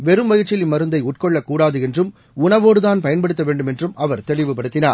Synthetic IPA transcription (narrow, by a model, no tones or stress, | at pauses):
ʋɛɾɯmʋɐjɪɾt͡ʃːɪlɪmːɐɾɯnd̪ɐɪʊʈ̚kɔɭːɐkːuːɽaːðɯɛndrɯm | ʊɳɐʋoːɽɯðaːnpɐjɐnpɐɽɯt̪ːɐʋeːɳɖɯmɛndrɯmɐʋɐɾt̪ɛɭɪʋɯpɐɽɯt̪ːɪnaːɾ